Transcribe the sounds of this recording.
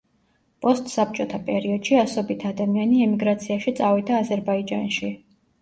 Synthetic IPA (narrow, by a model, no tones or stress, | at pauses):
pʼɔst̪ʼsap̚t͡ʃʼɔt̪ʰapʼɛɾiɔd̪̥ʃiasɔbit̪ʰad̪amianiɛmiɡɾat̪sʰiaʃit̪sʼavid̪aːzɛɾbaid͡ʒanʃi